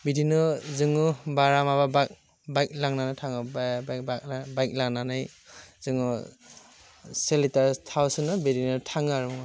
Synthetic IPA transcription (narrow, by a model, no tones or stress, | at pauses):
bidinɯzɯŋubaɾamababak̚ | bajk̚laŋnanɯtʰaŋɯbbakabajk̚laŋnanɯjzɯŋu | selitaɾtʰawsɯnɯbidinɯtʰaŋaɾm